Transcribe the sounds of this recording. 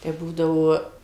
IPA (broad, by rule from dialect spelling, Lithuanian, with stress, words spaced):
tɐɪ ˈbuːdɐʋoː